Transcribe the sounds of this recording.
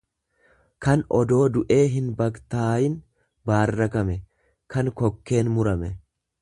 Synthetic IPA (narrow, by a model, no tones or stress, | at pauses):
kɐnɔd̪o̞ːd̪ʊʔe̞ːɦɪnbɐkt̪aːjɪn | baːrːɐkɐmɛ | kɐnkɔkːe̞ːnmʊɾɐmɛ